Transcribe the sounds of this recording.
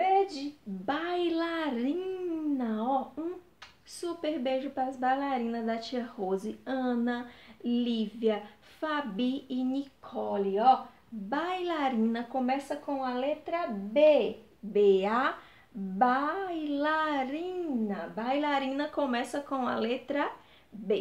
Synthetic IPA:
bed͡ʒɪbajlaɾĩnɐɔũ | supeɾbeʒʊpɾɐɾɐzbajlaɾĩnɐzd̪ɐt͡ʃiɐhozɪɐ̃nɐlivjɐ | fabiːnikʰɔliɔ | bajlaɾĩnɐkõmɛsɐkõw̃ɐlet̪ɾɐbe | bea | bajlaɾĩnɐbajlaɾĩnɐkõmɛsɐkõw̃ɐ̰let̪ɾɐ | be

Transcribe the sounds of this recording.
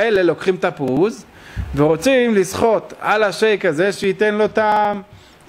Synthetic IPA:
ele̞lo̞kχimt̪apuz | veʁo̞t͡simlisχo̞t̪alaʃejkaze̞ʃeit̪e̞nlo̞t̪am

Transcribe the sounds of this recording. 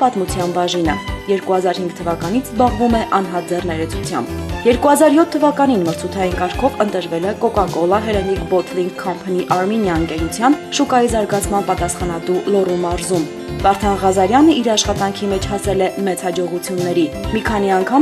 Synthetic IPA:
pɑt̪mut͡sʰjɑnbɑʒinə̰jɛɾkuhɑzɑɾhiŋɡt̪ʰəvɑkɑn̪it͡sʰzbɑʁvumɛʔɑn̪ɦɑt̪̚d͡zɛrnɛɾɛt͡sʰut͡sʰjɑ̰mbjɛɾkuhɑzɑɾjɔt̪ʰːəvɑkɑninməɾt͡sʰut̪ʰɑjinkɑɾkʰɔvənt̪əɾvɛlɛkɔkɑkɔlɑɦɛɾɛnikbɔt̪ʰliŋkʰːɑmpʰəniʔɑɾminjɑəŋkɛɾut͡sʰjɑnʃukɑjizɑɾɡɑt͡sʰmɑnpɑt̪ɑsχɑnɑt̪ulɔrumɑɾzum | vɑɾt̪ʰɑnʁɑzɑɾjɑnəiɾɑʃχɑt̪ɑŋkʰimɛt͡ʃʰhɑsɛlɛmɛt͡shɑd͡ʒɔʁut͡sʰjunːɛɾimikʰɑniɑŋkʰɑm

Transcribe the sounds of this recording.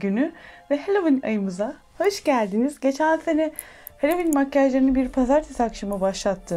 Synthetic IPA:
ɟynyvɛɦelʲovina̰jɯmɯza | hø̞ʃɟælʲd̪inizɟe̞t͡ʃʰænʲse̞nɛ | helʲovinmacːaʒlˠaɾinibiɾpʰazaɾt̪ʰesakʃamɯbaʃlˠat̪ʰːɯ

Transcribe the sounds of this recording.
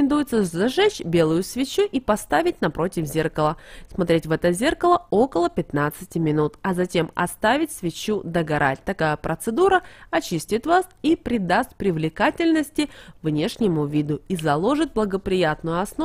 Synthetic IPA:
nd̪ujɪt̪səzɐʐɛt͡ɕbʲe̞lˠʊjʊsvʲɪt͡ɕuʔipɐst̪avʲɪt̚ʲnɐpɾo̞tʲɪvzʲerkəlˠəsmɐt̪ɾʲetʲvɛt̪əzʲe̞rkəlˠəo̞kəlˠəpʲɪt̪nat̪sɨtʲɪmʲɪnut̪ɐzɐtʲe̞mɐ̰st̪avʲɪtʲsvʲɪt͡ɕud̪əɡɐɾʔa̰tʲt̪ɐkajəpɾət̪sɨd̪uɾəɐt͡ɕisʲtʲɪt̪vasipɾʲɪd̪ast̪̚pɾʲɪvlʲɪkatʲɪlʲnəsʲtʲɪvnʲe̞ʂnʲɪmʊvʲid̪ʊizɐlˠo̞ʐɨt̪̚blˠəɡəpɾʲɪjat̪nʊjʊɐsno

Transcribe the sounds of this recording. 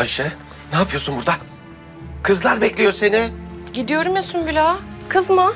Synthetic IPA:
aʃɯ | naːpʰɯjosunbuɾd̪a | kʰɯzlˠaɾbɛclʲijose̞niɟid̪ijo̞ɾumjasunbilʲakʰɯzma

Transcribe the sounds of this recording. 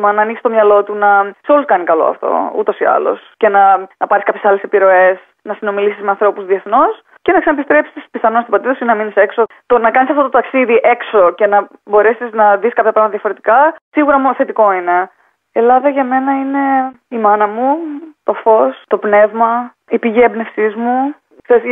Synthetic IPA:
mɐnɐːniksist̪omɲɐlo̞t̪unɐseo̞luskɐnikɐlo̰ɐ̰ft̪o̞̰ṵt̪o̞siɐ̰lo̞̰sce̞nɐnɐpɐɾiskɐpçe̞sɐle̞sepiɾo̞e̞s | nɐsino̞milisizmeɐnθɾo̞puzðieθno̞s | ce̞nɐksɐnepist̪ɾe̞psispiθɐnonst̪opɐt̪iðɐsinenɐminise̞kso̞ | t̪onɐkɐnisɐft̪ot̪ot̪ɐksiðiʔe̞kso̞ce̞nɐbo̞ɾe̞siznɐðiskɐpçɐpɾɐvmɐt̪ɐðjɐfo̞ɾet̪ikɐsiɣuɾɐmθe̞t̪iko̞ine̞ | elɐðɐʝɐme̞nɐine̞ | imɐnɐmut̪o̞fo̞st̪o̞pne̞vmɐ | ipiʝiebnefsizmu | θes

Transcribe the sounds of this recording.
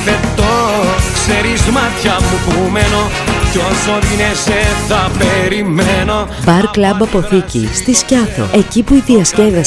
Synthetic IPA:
fet̪okseɾizmɐt̪çɐmupumeno | cosoðineseθɐpeɾimeno̞ | bɐɾklɐbɐpo̞θicḭst̪iscɐθo̞̰e̞cipuiðiɐsce̞vɐ

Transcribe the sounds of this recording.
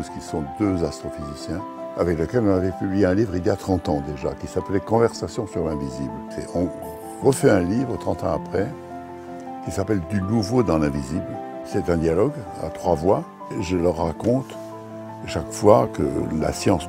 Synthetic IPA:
t̪uskisɔ̃d̪øzast̪χɔfizisjɛ̃ | avɛkləkɛlɔ̃navɛpyblijeɛ̃livʁiljat̪χɑ̃t̪ɑ̃d̪eʒa̰kʲisaplɛkɔ̃vɛʁsasjɔ̃syʁlɛ̃viziblsɛ̰ʔɔ̃ | ʁəfɛɛ̃livʁət̪χɑ̃t̪ɑ̃apχɛ | kʲisapɛld̪ynuvod̪ɑ̃lɛ̃vizibl | sɛt̪ɛ̃d̪jalɔɡa̰t̪χwavwa | ʒələʁːakɔ̃t̪ | ʃakfwakə̰la̰sjɑ̃s

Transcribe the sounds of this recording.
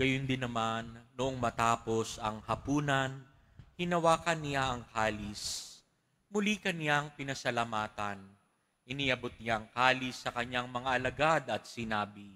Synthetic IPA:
ɡ̥ɐjond̪ɪnɐmanːʊʔoŋmɐt̪aːpo̞sɐŋhɐpuːnɐn | hɪnɐwaːkɐnɪjaʔɐŋkaːlɪs | mʊlikɐnɪjaŋpɪnɐsɐlamaːt̪ɐn | ʔɪniʔɐbot̪̚ɲjaʔɐŋkaːlɪsːɐkɐɲaŋmɐŋaʔɐlɐɡad̪ɐt̪̚sɪnaːbɪ

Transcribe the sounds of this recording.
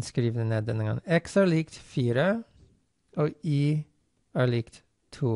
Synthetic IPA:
skɾiːʋnəneːd̪ɛnəɡɑ̰ŋɛksæːɭɪkt̪fiːɾə | oːiː | æːɭɪkt̪ | t̪ʰuː

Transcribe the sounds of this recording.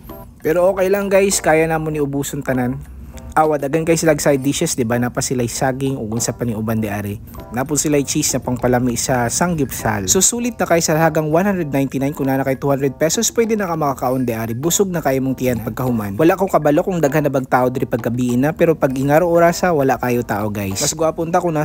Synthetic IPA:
pɛːɾoʔoːkɐjlaŋɡajskaːjɐnaːmonɪʔʊbuːsont̪ɐnan | ʔaːwɐd̪ɐɡad̪̚kajsɪlaʔːɡsajd̪iʃɛsd̪ɪbanapɐsɪlajsaːɡɪŋoɡʊnsapɐnɪʔʊband̪ɛʔaːɾɪ | naːpʊt̪sɪlajt͡ʃisnɐpɐŋpɐlamisɐsaŋɡɪpsa̰lsusuːlɪt̪̚nɐkajsɐhaːɡɐŋwanhand̪ɾɛd̪najnt̪ɪnajnkʊŋnaːnɐkajt̪uhanɾɛd̪̚pɛsospwɛd̪ɛnɐkamɐkakaʔond̪ɛʔaːɾɪbʊsoɡ̚nɐkaːjɐmoŋt̪ɪʔanpɐɡ̚kɐhʊmanwɐlaʔkokɐbɐlokʊŋd̪ɐɡhanːɐbɐɡ̚t̪aːʔod̪ɛɾɪpɐɡ̚kɐbiːʔɪnːɐpɛːɾo̞pɐɡʔɪŋaɾoʔoɾaːsɐwɐlaʔkaːjot̪aːʔo̞ɡajsmɐsɡʊʔaːpʊnt̪akʊŋna

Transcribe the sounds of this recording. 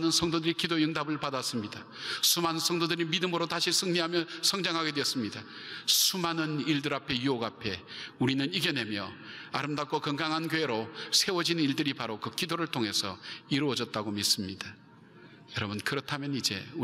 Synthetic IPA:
nɯnsʰʌŋdodɯɾikidojɯŋdabɯɭpadas͈ɯmɲida | sʰumanɯnsʰʌŋdodɯɾimidɯmɯɾotaɕʰisʰɯŋɲiɦamjʌsʰʌŋd͡ʑaŋɦaɡe̞dweʌs͈ɯmɲida | sʰumanɯniɭdɯɾapʰe̞juoɡapʰe̞uɾinɯniɡene̞mjʌ̰a̰ɾɯmdak͈wakʌŋɡaŋɦankjoɦe̞ɾosʰe̞wʌd͡ʑiniɭdɯɾipaɾokɯkidoɾɯɭtʰoŋɦe̞sʰʌ̰iɾuʌd͡ʑʌt̚t͈aɡomis͈ɯmɲid̥a | jʌɾʌbɯnkɯɾʌtʰamjʌnid͡ʑe̞̰u

